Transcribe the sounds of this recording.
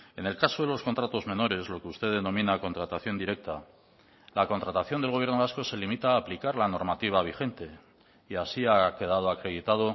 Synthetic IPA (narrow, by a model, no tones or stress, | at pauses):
e̞ne̞lkaso̞ðe̞lo̞sko̞nt̪ɾat̪o̞zmẽ̞no̞ɾe̞zlo̞keust̪e̞ðe̞no̞mĩnako̞nt̪ɾat̪aθjo̞nd̪iɾe̞k̚t̪a | lako̞nt̪ɾat̪aθjond̪elɣo̞βje̞ɾno̞βaskose̞limit̪aːplikaɾlano̞ɾmat̪iβ̞aβ̞ixe̞nt̪e̞ | iasiake̞ðað̞o̞akɾe̞ðit̪aðo̞